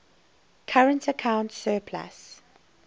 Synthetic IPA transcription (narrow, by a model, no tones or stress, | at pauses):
kʰaɹə̃ntəkʰãʊ̃ntsɜːpʰla̰s